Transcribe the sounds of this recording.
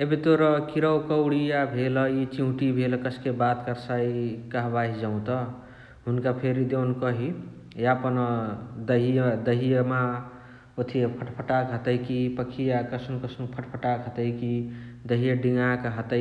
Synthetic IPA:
ebit̪oɾʌkiɾəwkəwɽijabʱelʌit͡ʃiɦũʈibʱelkəskebat̪kəɾsaikaɦbaɦid͡ʒaʊ̃t̪ʌ | ɦunkapʰeɾid̪ewnkʌɦi | japənd̪əɦijd̪əɦijəma | ot̪ʰiepʰəʈpʰəʈakɦət̪əjkipəkʰijakəsʰnũkəsʰnũpʰəʈpʰəʈakɦət̪əjkid̪əɦijəɖiŋakaɦət̪ə

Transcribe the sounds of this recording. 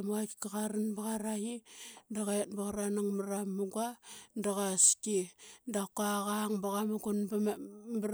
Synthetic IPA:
makkaɣaɾanbaɣaɾajidaɣaet̚baɣaɾanaŋmaɾamːuɡandaɣaskindakaɣaŋbaɣamuɡonbb

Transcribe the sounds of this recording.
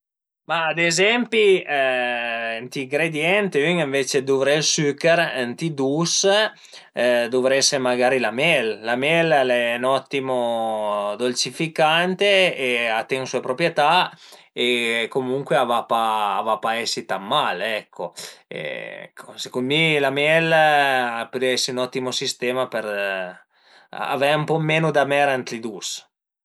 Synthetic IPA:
maːd̪ezɛmpi | nt̪iːŋɡɾed̪jɛnt̪eyŋiɱvet͡ʃed̪uvɾelsykeɾnt̪id̪us | d̪ovɾɛsemaɡaːɾilamɛlːamjɛllɛnɔt̪ːimo | d̪olt͡ʃifikant̪eːat̪ːeŋsuepɾopɾjet̪a | ekomuŋkweavapaːvapaɛsːit̪amːalɛkʰːoḛɛ̰kʰːosekunmilamjɛlapɾɛsːiunɔt̪ːimosist̪ɛːmapeɾ | a̰vɛumpɔmeːnud̪amɛɾant̪ɾid̪us

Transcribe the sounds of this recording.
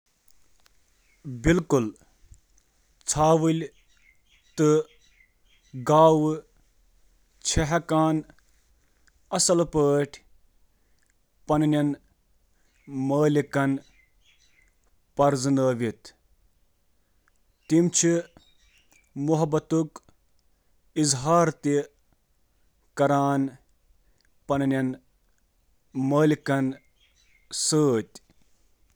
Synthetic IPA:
bilkul | t͡sʰaːʋɨlʲ | t̪ɨ | ɡaːw | t͡ʃʰeɦɐkaːn | ɐsɐlpəːʈʲʰ | pɐnnʲɐn | məːlikɐn | pɐɾzɨnəːʋit̪ | t̪imt͡ʃʰi | muɦɐbɐt̪uk | izɦaːɾt̪i | kɐɾaːn | pɐnɐnɐn | məːlikɐn | səːt̪ʲ

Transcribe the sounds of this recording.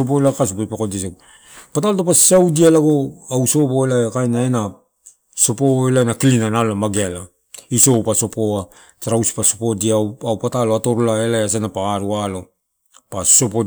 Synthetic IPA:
op̬oelakas̬upopekodise | patalotopasiawdialaɡoawso̞poelaekajnaena | so̞poelaenakilinanaloamaɡeala | iso̞paso̞po̞a | taɾawsi̥pasopo̞diaawpataloato̞ɾolaelajas̬enapaaɾualo̞ | pao̞po

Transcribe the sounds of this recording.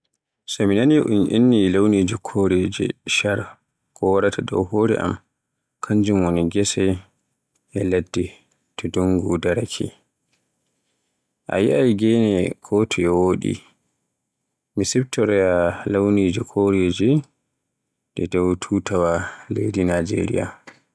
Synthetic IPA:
sɔminaniʔunʔinːilawnid͡ʒikʰoɾed͡ʒɛ̰ʃaɾ | kʰɔwaɾatʰada̰whoːɾɛ̰ʔa̰m | kʰaɲd͡ʒumwoniɡɛsɛ | ɛladːi | tɔdoŋɡudaɾakʰɛ̰ | ʔa̰jiʔajɡɛnɛkʰɔtʰɔɛwoːɗḭ | misɛp̚tɔɾɛalawnid͡ʒikʰoɾed͡ʒɛ | d̥ɛdawtʰutawalejdinad͡ʒḛɾḭja̰

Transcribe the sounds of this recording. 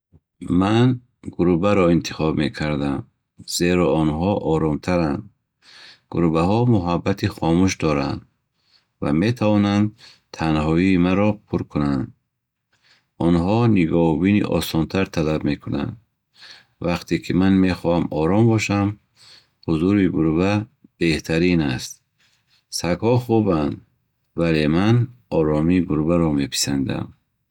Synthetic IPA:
man | ɡuɾubaɾɔint̪ʰi̥χɔbme̞kʰaɾd̪am | z̥e̞ɾɔɔnɦɔʔɔɾɔmt̪ʰaɾand̪ | ɡ̥ṵɾubaɦɔmuɦabːat̪ʰiχɔmuʃd̪ɔɾa̰nd̪ | va̰me̞t̪ʰavɔnand̪ | t̪ʰanɦɔiːmaɾɔpʰuɾkʰunand̪ | ɔnɦɔniɡɔbinḭʔɔ̰sɔnt̪ʰaɾt̪ʰalabme̞kʰuna̰nd̪ | vaqt̪ʰekʰimanme̞χɔhamɔɾɔmbɔʃam | huzuɾibuɾbab̥e̞ht̪ʰaɾinast̪̚ | saɡhɔχuband̪ | vale̞manɔɾɔmiɡuɾbaɾɔme̞pʰi̥sand̪a̰m

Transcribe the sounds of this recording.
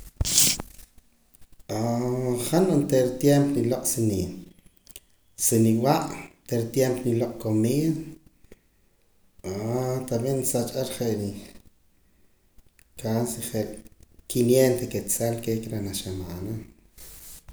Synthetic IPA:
ʔaχanont̪eɾt̪jempniloʔʼsini | siniwaʔt̪eɾt̪jempniloʔʼkomiːða | at̪aɓiʔnsat͡ʃʼaɾχeʔɾi | kasiχeʔkinjent̪eket͡salkekɾenaʃamaːna

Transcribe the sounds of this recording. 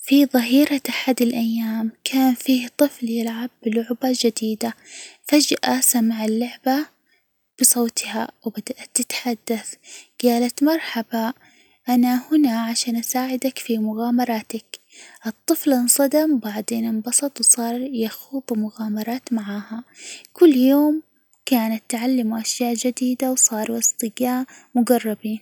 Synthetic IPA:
fiðˤɨɦiːɾaʔaħad̪alʔajːaːmkʰaːnfiːht̪ˤɨfljɪlʕabːɪlʊʕbad͡ʒad̪iːd̪afad͡ʒʔasamaʕalːʊʕba | b̥ɨsˤoːt̪ʰha̰wbad̪aʔat̪ːɪt̪ħad̪ːaθɡ̥aːlat̪mɑɾˤħaba | ʔanahʊnaʕaʃaːnʔasaːʕɪd̪akfimʊɣaːmɑɾˤɑːt̪ak | ʔɨt̪ˤːɨflɪnsˤɑd̪ambaʕd̪eːnɪnbɑsˤɑt̪ˤwsˤɑːɾˤjaxuːðˤumʊɣaːmɑɾˤɑːt̪maʕaːhakʊlːjoːm | kaːnat̪ːʕalːamuʔaʃjaːʔd͡ʒad̪iːd̪awsˤɑːɾˤʔɪst̪ˤɨɡaːmʊɡɑrˤːɑbiːn

